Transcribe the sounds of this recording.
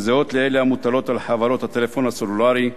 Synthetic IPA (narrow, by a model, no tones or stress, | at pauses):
zeo̞t̪leeleamut̪alo̞t̪alħavaɾo̞t̪hat̪elefo̞nhasolulaʁi